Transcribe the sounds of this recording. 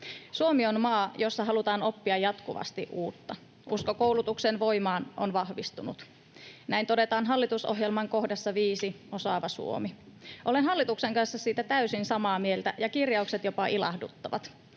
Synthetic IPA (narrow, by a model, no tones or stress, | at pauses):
suomionmɑːjo̞sːɑɦɑlut̪ɑːno̞pːiɑjːɑt̪kuʋɑ̰st̪ḭʔuːt̪ːɑ | ʔuskokowlut̪uksenʋo̞jmɑːnʔo̰nʋɑhʋist̪unṵt̪ | næint̪o̞de̞t̪ɑːnɦɑlːit̪usoɦjelmɑŋko̞hdɑsːɑʋiːsi | o̞sɑːʋɑsṵo̰miʔolenɦɑlːit̪ukseŋkɑnsːɑsiːt̪æt̪æysinsɑmɑːmielt̪æjɑkirjɑukset̪jo̞pɑʔilɑ̰hdṵt̪ːɑʋɑ̰t̪